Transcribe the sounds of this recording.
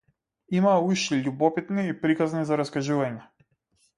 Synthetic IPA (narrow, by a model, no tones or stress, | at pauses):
imauʃiʎubɔpit̪niːpɾikaznizaɾaskaʒuvaɲɛ